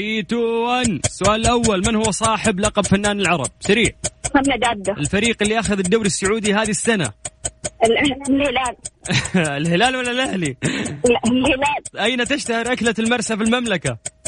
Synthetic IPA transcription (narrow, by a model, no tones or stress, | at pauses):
it̪uːansːʊʔaːlɪlʔawːalmɪnhʊwːsˤɑːħɪblɑqɑbfanːaːnɪlʕɑɾˤɑb̚saɾiːʕhamnad̪aːd̪ːaʔɪlfaɾiːqɪlːiʔaxaðɪd̪ːawɾɪsːʊʕuːd̪iɦaːðisːana̰ | ɪlʔlhɪlaːl | ɪlhɪlaːlwalːalʔahli | lhɪlaːlʔajnat̪ɪʃt̪ahɪɾʔaklalmɑɾˤsafilmamlaka